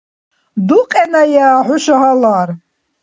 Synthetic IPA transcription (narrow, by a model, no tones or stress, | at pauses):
d̪uqʼɛnajaːħʊʃaɦalaːɾ